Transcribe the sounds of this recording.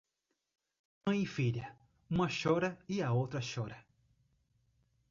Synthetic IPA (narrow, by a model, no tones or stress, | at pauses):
mɐ̃j̃ifiʎɐ | ũmɐʃɔɾɐiɐowt̪ɾɐʃɔɾɐ